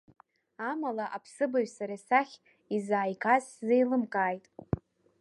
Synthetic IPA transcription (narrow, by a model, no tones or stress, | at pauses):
amalaʔapʰsɨbaʒʷᶣsaɾasaχʲ | izaːjkʰʼazzejlɨmkʼaːjtʼ